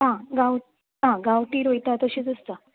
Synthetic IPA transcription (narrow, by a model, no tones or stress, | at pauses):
ɦãɡaw | ɦãɡaʋʈiːɾojt̪at̪əɕiːd͡zəst̪ə